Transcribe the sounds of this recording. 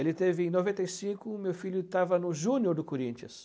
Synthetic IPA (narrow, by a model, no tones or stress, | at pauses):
elɪt̪evɪẽj̃novẽnt̪ejsĩkʊmewfiʎjʊt̪avɐnʊʒũnjoɾd̪ʊkoɾĩnt͡ʃiɐ̰ss